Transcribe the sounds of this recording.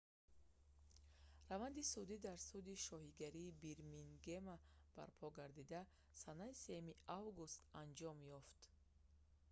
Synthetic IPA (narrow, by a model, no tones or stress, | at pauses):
ravand̪isud̪id̪aɾsud̪iʃɔɦiɡaɾiːbiɾminɡe̞mab̥a̰ɾpʰɔɡaɾd̪id̪a | sanaise̞jumiavɡust̪and͡ʒɔmjɔft̪